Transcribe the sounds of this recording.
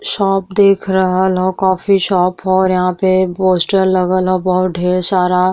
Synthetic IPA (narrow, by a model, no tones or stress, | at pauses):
ʃɔːp̚d̪eːkʰɾɐɦalɦokaːfiʃɔːpɦoɾjɐɦãpeboːsʈəɾlɐɡəlɦobɐɦʊt̪̚ɖʱeːɽsaːɾa